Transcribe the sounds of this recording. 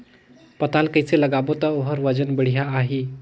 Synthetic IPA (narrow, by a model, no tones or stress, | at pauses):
pɐt̪alkəjseləɡabot̪əoɦəɾʋəd͡ʒənbəɽ̤ijaːɦi